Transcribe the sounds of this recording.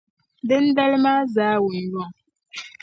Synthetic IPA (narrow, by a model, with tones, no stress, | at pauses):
dɛ˦n̩˦da˦lma˦za˦wu˨n̩˨jɔ˦˨ŋ